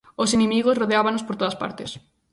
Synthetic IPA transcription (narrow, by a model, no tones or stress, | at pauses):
osenẽmiɣ̞osroðeaβanospoɾt̪oðaspa̰ɾt̪es